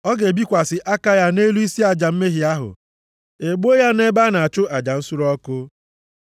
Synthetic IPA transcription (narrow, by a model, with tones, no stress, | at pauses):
ɔ˦ɡe˨bi˦kʷa˨sɪ˨ʔa˦ka˦ja˦ne˦lu˦i˦si˦a˨d͡ʒa˨m̩˦me˦ɦi˨a˦ɦʊ̰˨ | e˨ɡ͡bo˦ja˦ne˦ba˦na˨a˨t͡ʃʊ˦ʔa˨d͡ʒa˨n̩˦su˦ɾɔ˦kʊ˦